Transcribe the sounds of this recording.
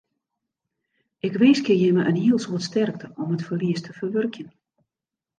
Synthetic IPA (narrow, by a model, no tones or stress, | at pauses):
ʔɪkʋeːskəjɪməʔənhiəlˠsuətstɛrk̚tʰəʔɔmətfərliəstʰəfərʋørkjən